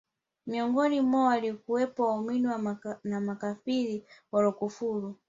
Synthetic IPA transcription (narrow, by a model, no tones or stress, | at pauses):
miɔŋɡɔnimwɔwalikuwɛpɔwauminiwanamakafiɾiwalɔkufuːlu